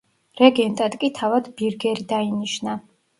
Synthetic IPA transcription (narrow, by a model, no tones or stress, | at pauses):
ɾɛɡɛnt̪ʼad̪kʼit̪ʰavad̪biɾɡɛɾid̪ainiʃna